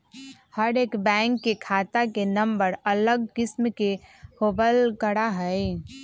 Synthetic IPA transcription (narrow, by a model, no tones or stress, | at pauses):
həɾeːkbɛ̃ŋkːekʰat̪akenəmbəɾələɡkɪsmkehobəlkəɽaɦəj